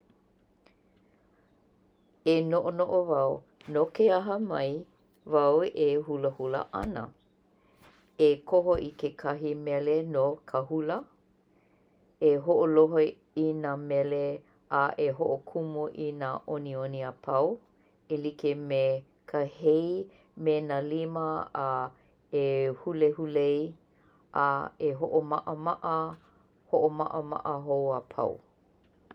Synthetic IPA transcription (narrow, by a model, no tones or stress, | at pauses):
enoʔonoʔovɐw | nokeɐɦəmɐj | vɐwehuləhulə̰ʔɐ̰nə̰ | ekʰoɦoʔikekʰɐɦimɛlenokʰəhulə | eɦoʔoloɦo | inaːmɛle | aʔeɦoʔokʰumuʔinaʔonioniapʰɐw | elikeme | kʰəhej | menaliməa | ehulehulej | ʔaeɦoʔomaʔəmaʔə | hoʔoma̰ʔəma̰ʔəɦowapʰa̰w̰